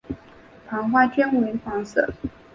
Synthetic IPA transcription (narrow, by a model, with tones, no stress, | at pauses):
pʰɑ˧˥ŋxwa˥˩t͡ɕɥɛ˥nu˨˩ɛ˧˥nfɑ˧˥ŋsɤ̰˥˩